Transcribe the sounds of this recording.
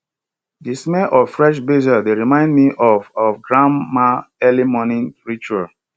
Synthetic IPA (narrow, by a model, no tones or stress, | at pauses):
dismɛlʔɔvfɹɛʃ̬bezaldeɹimãɪ̃ndmiʔɔvɔvɡɹãmaɛlimɔnĩnɹit͡ʃual